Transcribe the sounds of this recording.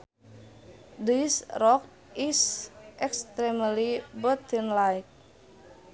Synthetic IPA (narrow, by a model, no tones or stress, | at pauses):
disrɔk̚ | isʔɛkst̪ɾɛməlibət̪ənlajk̚